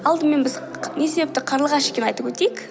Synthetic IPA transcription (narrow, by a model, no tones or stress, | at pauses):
ɑlˠd̪əme̞nbɪz | ne̞sebep̚t̪ɪqʰɑɾlˠʁɑʃe̥kʲeɑjt̪əpwɵt̪ejk